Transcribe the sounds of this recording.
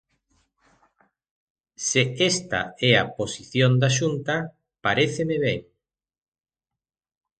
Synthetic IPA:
seest̪a̰ɛaposiθjond̪aʃunt̪a | paɾeθemeβeŋ

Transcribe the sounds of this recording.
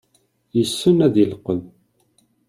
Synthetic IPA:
jəsːunæðəlqːən

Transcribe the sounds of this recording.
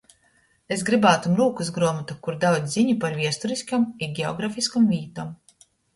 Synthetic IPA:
esɡɾibaːt̪umɾuːkusɡɾuɔmat̪ukuɾd̪awd̪ʲziɲupaɾviɛst̪uɾiskamiɡʲeɔ̰ɡɾafiskamviːt̪ɔm

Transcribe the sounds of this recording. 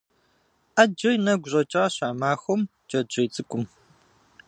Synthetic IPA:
ʔad͡ʒɐjnɐɡʷʊʑʼɐt͡ʃʼɐʁɐɕaːmaːxʷɔm | d͡ʒʼɐd͡ʒɐjt͡sʼɨkʷʼʊm

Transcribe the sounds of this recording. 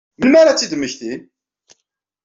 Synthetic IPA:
mənmæɾat͡sːid̪əmːəçθin

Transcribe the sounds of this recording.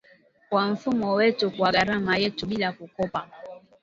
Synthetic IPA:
kwam̩fumɔwɛtukwaɡaɾamajɛtuɓilakukɔpa

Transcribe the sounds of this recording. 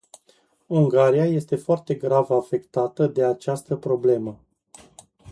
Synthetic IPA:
uŋɡaɾijaje̞st̪e̞foart̪e̞ɡɾavafe̞kt̪at̪əd̪e̞at͡ʃast̪əpɾo̞ble̞mə

